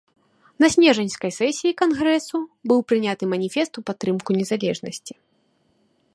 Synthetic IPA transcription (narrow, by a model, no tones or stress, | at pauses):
nɐsʲnʲɛʐɐnʲskɐjsɛsʲiːkanɣɾɛsubɨwpɾɨnʲat̪ɨmɐnʲifʲɛst̪upat̪ːɾɨmkunʲɛzalʲɛʐnɐsʲt͡sʲi